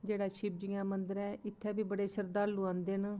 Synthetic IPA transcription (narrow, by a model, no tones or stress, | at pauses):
d͡ʒeːɽaːʃɪb̚d͡ʒɪːãːmənd̪əɾɛːɪt̪ʰːɛːbiːbəɽeːʃəɾd̪aːɾluːãːnd̪eːn